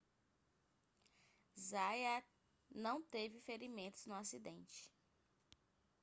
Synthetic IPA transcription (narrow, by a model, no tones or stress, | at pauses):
zaja | nɐ̃w̃t̪evɪfeɾimẽnt̪ʊ̥znʊasid̪ẽnt͡ʃɪ̥